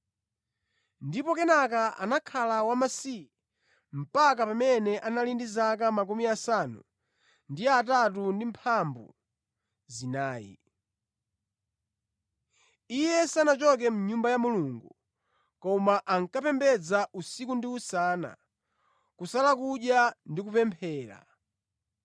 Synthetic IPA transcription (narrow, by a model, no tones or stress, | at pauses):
ndipɔkɛnakaʔa̰nakʰalawamasi | m̩pakapamɛnɛʔanalindizak̬amak̬umiasanu | ndiatat̬undimpʰambṵ | zinaːjḭ | ijɛsanat͡ʃɔk̬ɛm̩ɲumbajamuluŋɡu | kɔmaʔaŋkapɛmbɛd͡zaʔusikundiusana̰ | kusalakuɗjandikupɛmpʰɛːɾa̰